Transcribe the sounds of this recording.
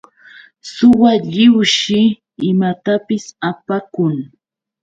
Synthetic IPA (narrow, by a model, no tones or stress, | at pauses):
sʊwaʎɪwʃɪ | ɪmat̪apɪsapakʊŋ